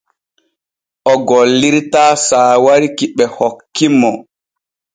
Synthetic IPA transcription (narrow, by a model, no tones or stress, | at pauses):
ʔɔɡɔlːiɾtaːsaːwaɾikiɓɛhɔkːimɔ